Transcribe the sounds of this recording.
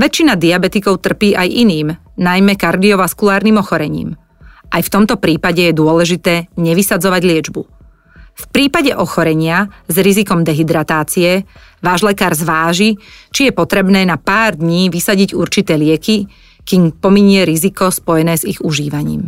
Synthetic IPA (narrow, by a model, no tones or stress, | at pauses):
ʋɛt͡ʃːinad̪iabɛt̪ikɔʊt̪r̩piːʔajʔiniːm | najmɛkaɾd̪iɔʋaskulaːɾniːmɔxɔɾɛɲḭːm | ʔajft̪ɔmt̪ɔpɾiːpaɟɛjɛd̪ʊɔlɛʒit̪ɛːɲɛʋisad͡zɔʋaɟlɪɛd͡ʒbu | fpɾiːpaɟɛʔɔxɔɾɛɲɪazɾizikɔmd̪ɛɦid̪ɾat̪aːt͡siɛʋaːʒlɛkaːɾzʋaːʒit͡ʃijɛpɔt̪ɾɛbnɛːnapaːɾd̪ɲiːʋisaɟiɟuɾt͡ʃit̪ɛːlɪɛki | kiːmpɔmiɲɪɛɾizikɔspɔjɛnɛːziɣuʒiːʋaɲḭːm